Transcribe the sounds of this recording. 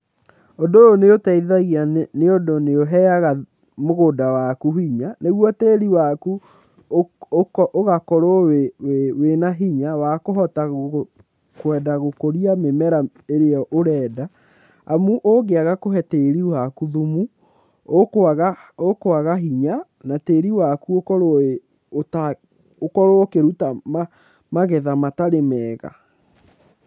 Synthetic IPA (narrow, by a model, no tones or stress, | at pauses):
ondooneotɛiðaɣianeondoneoɦɛaɣa | moɣodawakuhiɲaneɣwɔteɾiwaku | ʔoɣakɔɾoweewenaɦiɲawakoɦɔta | kwɛdaɣokoɾiamemɛɾa | eɾeɔʔoɾɛːda | amuʔoɣeaɣakoɦɛteɾiwakuðumu | oaɣaokoaɣaɦiɲa | nateːɾiwakuokɔɾoe | ota | okɔɾookeɾutama | maɣɛðamataɾemɛːɣa̰